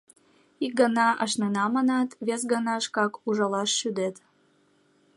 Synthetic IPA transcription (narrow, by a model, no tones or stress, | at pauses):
ik̚ɡənɑʔə̰ʃnenɑmɑnɑt̪βes̬ɡənɑəʃkɑkuʒɑlɑʃːyd̪et̪